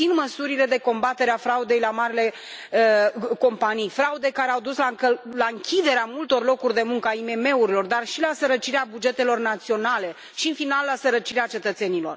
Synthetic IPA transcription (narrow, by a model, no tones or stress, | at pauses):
inməsuɾile̞d̪e̞ko̞mbat̪e̞ɾeafɾaud̪e̞jlamaɾile̞ | əko̞mpanijfɾaud̪e̞jkaɾeawd̪uslakəlaɨŋkʲid̪e̞ɾeamult̪o̞rlo̞kurʲd̪e̞muŋkəaime̞me̞uɾilo̞rd̪arʃilasəɾət͡ʃiɾeabud͡ʒe̞t̪e̞lo̞rnat̪sio̞nale̞ | ʃiɨnfinalːasəɾət͡ʃiɾeat͡ʃe̞t̪ət̪se̞nilo̞r